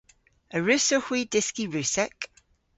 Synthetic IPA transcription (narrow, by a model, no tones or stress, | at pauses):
əɹʉsohwiːdɪskiɹʉːˑsɛk